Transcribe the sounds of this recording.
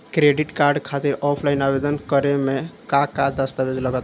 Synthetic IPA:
kɾeɖiʈkaɾɖkʰat̪iɾɔpʰlajnabed̪ənkəɾemekakad̪əst̪abed͡ʒ̪ləɡət̪

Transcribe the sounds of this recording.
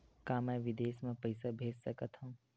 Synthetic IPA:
kãːmɛ̃ʋɪd̪eːsmẽpɐɪsabʱeːd͡ʒsɐkət̪ɦũː

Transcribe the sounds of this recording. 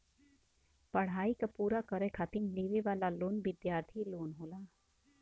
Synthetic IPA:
pɐɽ̤ɦaːikapuːɾakəɾekʰat̪inliːʋiʋaːlaloːnʋɪd̪jaːɾt̪ʰiloːnɦoːlaː

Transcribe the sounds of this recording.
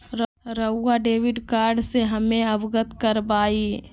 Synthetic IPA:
ɾ | ɾəːaɖeːʋɪɖkaːɾɖseɦɐmẽɐʋɡət̪kəɾbaːi

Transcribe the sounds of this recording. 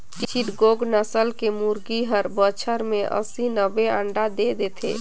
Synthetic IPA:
t͡ʃt͡ʃʰiʈɡoɡnəsəlkemuɾɡiɦəɾbət͡ʃʰəɾmeʔə̰sinəbeəɳɖad̪ed̪et̪ʰḛ

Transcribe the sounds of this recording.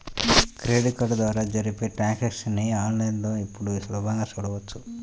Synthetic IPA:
kɾeːɖikɐʈd̪ʋaːɾad͡ʒɐɾipeʈaːkɐksneaːnlɐjnd̪oːipːuɽusɐlɔːbɐŋɡaːt͡ʃuːɽɐʋut͡ʃːu

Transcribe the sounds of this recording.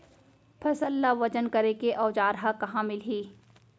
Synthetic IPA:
pʰɐsəlːaʋɐd͡ʒənkɐɾekeʔɔːd͡ʒaːɾɦakɐɦãmɪlɦiː

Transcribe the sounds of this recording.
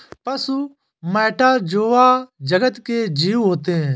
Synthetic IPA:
pɐsu | mɛːʈʰad͡ʒoːʋad͡ʒɐɡət̪ked͡ʒiːuɦoːt̪eɦɛ̃

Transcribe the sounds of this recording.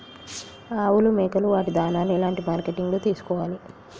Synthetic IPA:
aːwulumeːkɐluʋaːʈid̪ʱaːnaːluɛlaːɳʈimaːɾkeʈiŋɡloːt̪iːsu̥kɔːʋaːli

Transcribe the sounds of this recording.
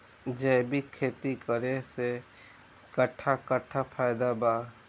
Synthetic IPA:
d͡ʒɛːbikʰeːt̪ikəɾese | kəʈʰːakəʈʰːapʰaːɪd̪abaː

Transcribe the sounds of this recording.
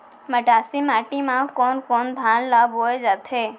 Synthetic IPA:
məʈasimaʈimãkɔnkɔnd̪ʱanlabɦojd͡ʒat̪ʰe

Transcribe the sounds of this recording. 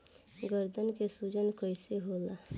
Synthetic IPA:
ɡəɾd̪ʱənkesud͡ʒənkɔjseɦoːlaː

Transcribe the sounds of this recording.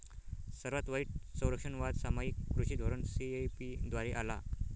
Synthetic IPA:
səɾʋat̪ʋaiːʈsə̃w̃ɾəkʂəɳʋad̪samaikːɾuɕid̪ʱoɾəɳsiepid̪ʋaɾeʔala

